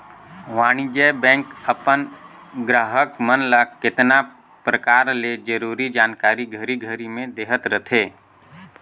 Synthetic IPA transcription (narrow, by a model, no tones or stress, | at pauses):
ʋaːñid͡ʒɛbɛ̃ːŋkəpən | ɡɾaːɦəkmənləkkːɪt̪na | pɾəkaːɾled͡ʒəɾuːɾid͡ʒaːnkaːɾiɡʱəɾiɡʱəɾimẽd̪eːɦət̪ɾət̪ʰeː